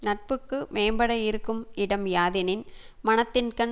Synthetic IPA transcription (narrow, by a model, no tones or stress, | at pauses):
nɐʈ̚pɯkːɯmeːmbɐɽɐɪɾɯkːɯmɪɽɐmjaːðɪnɪnmɐnɐt̪ːɪnkɐn